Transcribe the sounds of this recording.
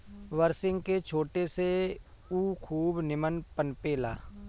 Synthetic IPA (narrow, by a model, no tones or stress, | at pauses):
ʋəɾsɪ̃ŋɡket͡ʃʰoːʈese | uːkʰuːbnɪmənpənpeːla̰ː